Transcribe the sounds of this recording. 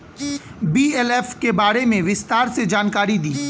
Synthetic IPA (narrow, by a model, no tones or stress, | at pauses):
biːɛlɛːfkebaːɾemẽʋɪst̪aːɾsed͡ʒaːnkaːɾid̪iː